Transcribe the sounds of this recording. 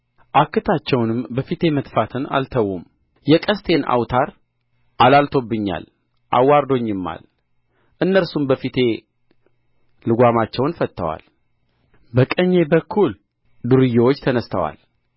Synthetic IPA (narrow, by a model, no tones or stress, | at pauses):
ʔakːɨt̪ʰat͡ʃːɛwnɨmbəfit̪ʰe̞mət̪fat̪ʰɨna̰lt̪ʰəwːum | jɛkʼəst̪ʰe̞na̰wt̪ʰaɾ | ʔalalt̪ʰo̞bːɨɲːa̰l | ʔa̰wːaɾd̪o̞ɲːɨmːa̰l | ʔɨnːəɾsumbəfit̪ʰe̞ | lɨɡʷamat͡ʃːɛwnfət̪ːə̰wa̰l | bəkʼəɲːe̞bəkʰːul | d̪uɾɨjːewot͡ʃːt̪ʰənəst̪ʰəwa̰l